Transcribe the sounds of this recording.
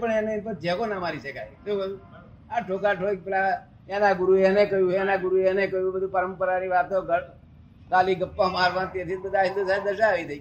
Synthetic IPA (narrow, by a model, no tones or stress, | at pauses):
pəɳãnepəɾ̚d͡ʒɛkonamaɾiʃəkajt̪obəd̪u | aʈʰokaʈʰok̚pela | ãnaɡʊɾuenekəjũãnaɡʊɾuenekəjũbəd̪ʱũpəɾəmpəɾaniʋat̪oɡə | k̪aliɡəpːãmaɾʋãt̪et̪ʰibəd̪ʱaid̪osad̪əɾʃaaʋid̪əi